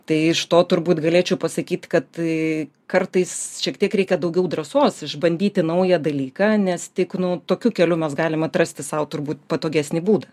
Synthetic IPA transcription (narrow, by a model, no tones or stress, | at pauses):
t̪ɐɪɪʃt̪oːt̪ʊɾbuːt̪ɡɐlʲeːt͡ʃʲɛʊpɐsɐkʲiːt̪ʲkɐt̪ | kɐrt̪ɐɪsʃʲiɛkt̪ʲiɛkɾʲɛɪkʲɛd̪ɐʊɡʲɛʊd̪rɐsoːsɪʒbɐnʲd̪ʲiːt̪ʲɪnɐʊjɛd̪ɐlʲiːkɑːnʲɛst̪ʲɪknʊt̪oːkʲukʲɛlʲʊmʲɛsɡɑːlʲɪmɐt̪rɐsʲt̪ʲɪsɐʊt̪ʊrbuːt̪pɐt̪oːɡʲæsʲnʲiːbuːd̪ɐ